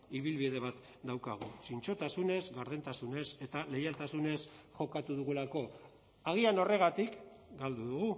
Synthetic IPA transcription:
iβ̞ilβiðe̞βat̪ | d̪awkaɣ̞usint͡ʃo̞t̪asune̞zɣaɾð̞e̞nt̪asune̞se̞t̪ale̞jalt̪asune̞sʝo̞kat̪uðuɣulako̞ | aɣ̞iano̞re̞ɣ̞at̪ikɡald̪uðuɣu

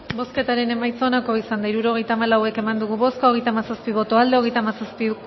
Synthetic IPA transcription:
bo̞ske̞t̪aɾe̞ne̞majt͡sonako̞isand̪aiɾuɾo̞ɣejt̪aːmalawe̞ke̞mand̪uɣ̞uβo̞skaoɣe̞jt̪amasaspiβ̞o̞t̪oald̪e̞o̞ɣe̞jt̪amasaspi

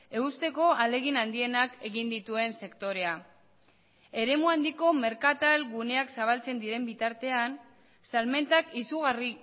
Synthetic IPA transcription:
e̞ust̪e̞ko̞ale̞ɣinand̪ie̞nake̞ɣind̪it̪ue̞nse̞kt̪o̞ɾe̞a | e̞ɾe̞muand̪iko̞me̞ɾkat̪alɡune̞aksaβalt͡se̞nd̪iɾe̞mbit̪aɾt̪e̞an | salme̞nt̪akisuɣ̞ari

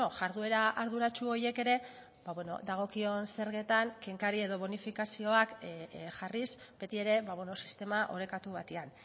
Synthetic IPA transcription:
oʝaɾðue̞ɾaaɾðuɾat͡ʃuo̞je̞ke̞ɾe̞ | baβwe̞no̞̰d̪aɣ̞o̞kio̞nse̞ɾɣe̞t̪aŋke̞ŋkaɾie̞ðo̞βo̞nifikasio̞akʝarisbe̞t̪ie̞ɾe̞βaβwenosi̥st̪e̞maʔo̞ɾe̞kat̪uβat̪ean

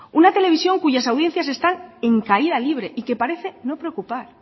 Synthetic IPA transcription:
unat̪e̞le̞β̞isjo̞ŋkuʝasawðje̞n̟θjase̞st̪ane̞ŋkaiðaliβ̞ɾe̞ʔike̞paɾe̞θe̞nopɾeokupaɾ

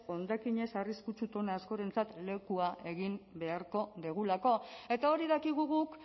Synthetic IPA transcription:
o̞nd̪akiɲe̞sariskut͡ʃut̪o̞naːsko̞ɾe̞nt͡sat̪le̞kuaʔe̞ɣimbe̞aɾko̞ðiɣ̞ulako̞e̞t̪ao̞ɾiðakiɣ̞uɣuk

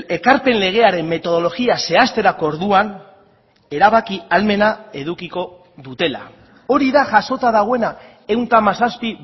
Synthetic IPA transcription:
e̞kaɾpe̞nle̞ɣ̞e̞aɾe̞mːe̞t̪o̞ð̞o̞lo̞ɣiase̞ast̪e̞ɾakooɾðuan | e̞ɾaβakialme̞nae̞ðukiko̞ | ðut̪e̞la̰ | o̞ɾiðaʝaso̞t̪aðaɣoe̞na | e̞wnt̪amasaspi

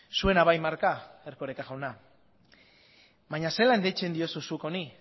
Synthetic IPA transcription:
sue̞naβajmaɾkaeɾkoɾekaʝawna | βaɲase̞laend̪et͡ʃe̞nd̪io̞susuko̞ni

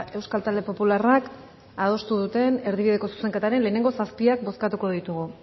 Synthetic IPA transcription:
e̞wskalt̪ald̪e̞po̞pularak | að̞o̞st̪uðut̪e̞ne̞ɾðiβið̞e̞ko̞su̥se̞ŋket̪aɾe̞nle̞ːne̞ŋɡo̞saspiak̚bo̞skat̪uko̞ðit̪uɣ̞u

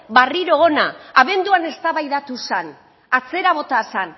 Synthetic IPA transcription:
bariɾo̞ːnaaβ̞e̞nd̪uane̞st̪aβajðat̪usan | at͡se̞ɾaβo̞t̪asan

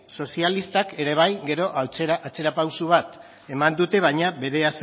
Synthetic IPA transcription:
so̞sialist̪ake̞ɾe̞β̞ajɡe̞ɾo̞ʔat͡sʔat͡se̞ɾapawsuβ̞at̪ | e̞mand̪ut̪e̞β̞ajɲaβe̞ɾe̞as

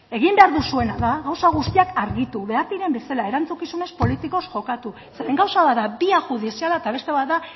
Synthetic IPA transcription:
e̞ɣimbe̞aɾðusue̞naðaɣawsaɣ̞ust̪iakaɾɣit̪uβe̞aɾt̪iɾe̞mbesalae̞ɾant͡sukisune̞spo̞lit̪iko̞sʝo̞kat̪u | seɾeŋɡawsaβat̪d̪abiaʝuð̞isialaet̪aβ̞e̞st̪e̞βat̪ða

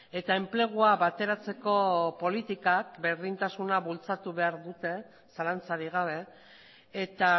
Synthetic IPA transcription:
e̞t̪ae̞mple̞ɣ̞uaβat̪e̞ɾat͡se̞ko̞po̞lit̪ikak̚be̞ɾðint̪asunaβult͡sat̪uβe̞aɾðut̪e̞ | salant͡saɾiɣ̞aβe̞ | et̪a

